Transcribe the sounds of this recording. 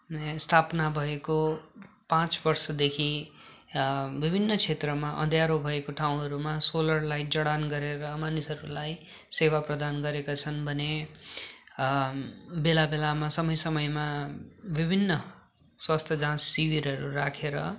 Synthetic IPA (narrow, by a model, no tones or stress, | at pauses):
st̪ʰapnabʱʌekopãt͡sbʌrsʌd̪ekʰi | bibʱinːʌt͡sʰet̪rʌmaʔʌ̰d̪ʱjaɾobʱʌekoʈʰawũɦʌɾumasolʌrlajd͡zʌɽanɡʌɾeɾʌmanisʌɾulaj | sewaprʌd̪anɡʌɾekat͡sʰʌnbʱʌne | belabelamasʌmʌjsʌmʌjmabibʱinːʌ | swast̪ʰjʌd͡zãssibiɾʌɾurakʰeɾʌ